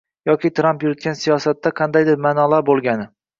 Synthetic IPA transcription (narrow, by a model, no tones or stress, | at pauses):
jɒkʲɪt̪ʰɾampjʊɾɪt̪̚kʲansijɒsat̪ːaqʰɑnd̪ajd̪ɪɾmanɒlaɾbolˠɡʲanɪ